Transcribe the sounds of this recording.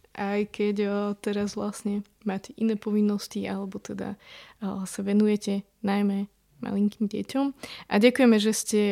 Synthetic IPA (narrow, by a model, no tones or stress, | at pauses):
ʔajkɛcːt̪ɛɾazʋlasɲɛ | maːcɛʔinɛːpɔʋinːɔsciʔalɛbɔt̪ɛd̪a̰ | saʋɛnujɛcɛ | najmɛ | ma̰liŋkiːmɟɛ̰cɔmʔaɟakujɛmɛʒɛscɛ